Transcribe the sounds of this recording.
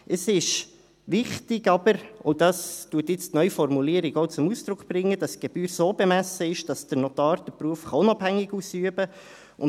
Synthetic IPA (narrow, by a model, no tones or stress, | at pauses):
əsɪʃ | ʋɪχtɪɡɑbəɾodɑstuətjɪt͡stnœʏfɔrmuliəɾiɡɔʊt͡sʊmusd̥ɾʊkχb̥ɾɪŋːəd̥ɑsɡ̥eb̥yːɾsoːbɛmæsəɪʃd̥ɑsd̥əɾnɔt̪ɑːɾd̥əpɾuəfχɑʊnɑbhæŋːɪɡusyəbə | ʔʊn